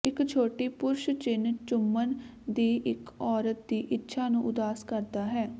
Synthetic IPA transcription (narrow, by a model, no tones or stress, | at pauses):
ɪkt͡ʃʰoːʈiːpʊɾʃt͡ʃɪnt͡ʃʊmːənd̪iːʔɪkɔːɾət̪̚d̪iːʔɪtːʃʰaːnũːʔʊd̪aːskəɾd̪aːɦɛː